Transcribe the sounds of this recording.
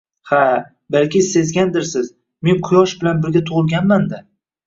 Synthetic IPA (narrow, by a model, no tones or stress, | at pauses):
ha | balkʲɪse̞zɡʲand̪ɪɾsɪz | me̞nqʰʊjɒʃbɪlanbɪɾɡʲat̪ʰʊʁɨlˠɡʲanmand̪a